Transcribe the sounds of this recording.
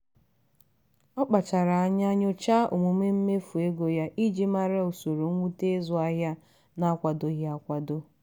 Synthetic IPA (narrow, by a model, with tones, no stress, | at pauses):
ɔ˦k͡pa˨t͡ʃa˨ɾa˨a˦ɲa˦ɲʊ˦t͡ʃa˦ʔṵ˨mu˨me˦m̩˦me˦fu˨e˦ɡo˨ja˦ʔi˦d͡ʒi˦ma˦ɾa˦o˨so˨ɾo˨ŋʷ˦u˦te˦zʊ˦a˦ɦja˦ | na˦kʷa˨do˦ɣa˦kʷa˨do˦